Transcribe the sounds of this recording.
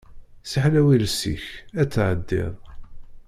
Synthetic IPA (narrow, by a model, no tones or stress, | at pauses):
səħlæwilsḭçæt͡sːʕəd̪ːɪ̰ðˤ